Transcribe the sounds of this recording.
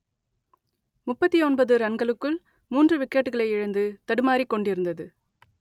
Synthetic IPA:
mʊpːɐt̪ːiɔnbɐðɯɾɐnɡɐɭɯkːɯɭ | muːndrɯʋɪkːeʈːɯɣɐɭɐɪɪɻɐnd̪ɯt̪ɐɽɯmaːɾikːɔɳɖɪɾɯnd̪ɐðɯ

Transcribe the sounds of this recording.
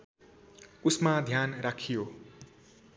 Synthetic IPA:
usmad̪ʱjanrakʰijo

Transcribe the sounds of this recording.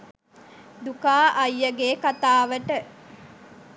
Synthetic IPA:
d̪ukaːʔɐjːəɡeːkat̪aːʋəʈə

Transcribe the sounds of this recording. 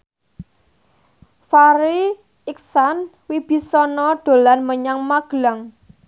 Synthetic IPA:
faɾi | ɪksan | wib̥i̤sɔnɔɖ̪̥o̤lanməɲaŋmaɡ̥laŋ

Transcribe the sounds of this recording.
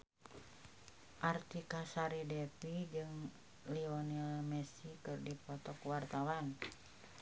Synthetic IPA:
ʔart̪ikasaɾidɛpid͡ʒɨŋ | liɔnialmɛsikɨrdipɔt̪ɔkwart̪awan

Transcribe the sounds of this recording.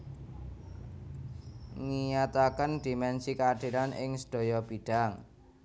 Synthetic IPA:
ŋijat̪akənd̪̥i̤mɛnsikaaɖ̪̥i̤ɾanʔɪ̰ŋsə̥ɖ̪̥o̤jɔb̥i̤ɖ̥a̤ŋ

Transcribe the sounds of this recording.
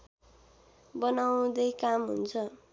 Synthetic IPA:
bʌnaw̃d̪ʌjkamɦṵnt͡sʰʌ

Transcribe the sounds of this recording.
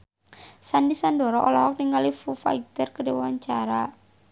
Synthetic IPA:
sandisandɔɾɔʔɔlɔwɔk̚niŋɡalifufa̰it̪ərkədewaɲt͡ʃaɾa

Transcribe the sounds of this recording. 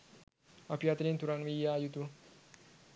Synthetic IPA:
apijat̪nint̪uɾanʋijajut̪u

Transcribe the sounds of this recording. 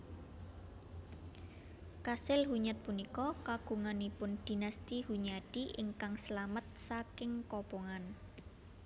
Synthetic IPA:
kasɪlhuɲat̪̚punikɔkaɡ̥ṳŋanipʊnd̪̥i̤nast̪ihuɲadiʔɪŋkaŋsəlamət̪̚sakɪŋkɔpɔŋan

